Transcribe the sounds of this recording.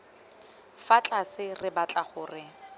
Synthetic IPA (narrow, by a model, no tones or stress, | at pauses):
fat͡ɬʼasɪrɪbat͡ɬʼaχʊːrɪ